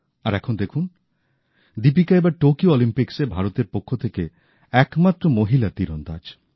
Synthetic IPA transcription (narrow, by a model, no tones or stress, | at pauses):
aɾɛkʰond̪ekʰun | d̪ipikaebaɾʈokioɔlimpiksebʱaɾot̪eɾpokʰːot̪ʰeke | ɛkmat̪ːɾomoɦilat̪iɾond̪ad͡ʒ